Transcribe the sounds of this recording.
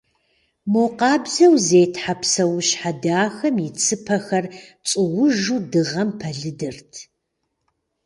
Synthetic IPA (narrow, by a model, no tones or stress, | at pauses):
moqɑːbzɐwzeːtħapʰsɐwɕħadaːxɐmjɪt͡sʰɨpʰɐxɐrt͡sʼɨwʊʒuːdɨʁɐmpʰɐɮɨdɨrtʰ